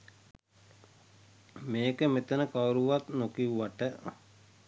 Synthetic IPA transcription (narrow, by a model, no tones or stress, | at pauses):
meːkəmet̪ənəkawɾuʋat̪nokiuʋaʈə